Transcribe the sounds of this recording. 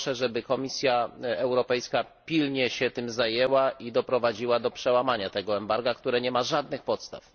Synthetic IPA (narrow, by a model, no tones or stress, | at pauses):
ʂɛʐɛbɘkɔmʲisʲjaɛwɾɔpɛjska | pʲilɲɛɕɛt̪ɘmzajɛwaid̪ɔpɾɔvad͡ʑiwad̪ɔpʂɛwamaɲat̪ɛɡɔɛmbaɾɡakt̪uɾɛɲɛmaʐad̪nɘxpɔt̪st̪a̰f